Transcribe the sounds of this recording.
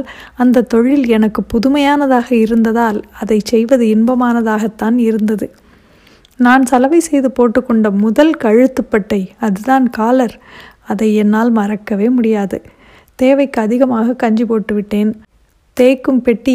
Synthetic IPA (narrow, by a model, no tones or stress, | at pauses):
lɐnd̪ɐt̪ːɔɻːɪlɛnɐkːɯpːʊðʊmɐjaːnɐðaːɣɐɪɾɯnd̪ɐðaːlɐðɐɪt͡ʃɛjʋɐðɯɪnbɐmaːnɐðaːɣɐt̪ːaːnɪɾɯnd̪ɐðɯ | naːnsɐlɐʋɐɪsɛjðɯpoːʈːɯkːɔɳɖɐmʊðɐlkɐɻɯt̪ːɯpːɐʈːɐɪɐðɯðaːnkaːlɐɾɐðɐɪɛnːaːlmɐrɐkːɐʋeːmʊɽɪjaːðɯ̰ | t̪eːʋɐɪkːɯɐðɪɣɐmaːɣɐkːɐɲd͡ʒipoːʈːɯʋɪʈːeːn | t̪eːkːɯmpɛʈːi